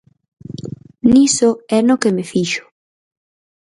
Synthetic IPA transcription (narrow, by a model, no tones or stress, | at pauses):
nisoɛnokemefiʃo̥